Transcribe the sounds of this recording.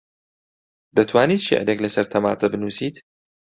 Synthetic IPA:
d̪ɐt̪ʰwaːniːt̪ʃḛʕɾeklɐsɐɾt̪ʰɐma̰ːt̪ʰɐbɨnuːsiːt̪

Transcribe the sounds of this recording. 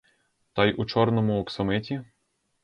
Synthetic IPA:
t̪ɑjʔut͡ʃɔɾnɔmʊɔksɔmɪtʲi

